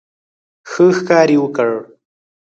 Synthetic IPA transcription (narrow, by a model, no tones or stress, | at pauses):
xəxkɑːɾiwəkəɻ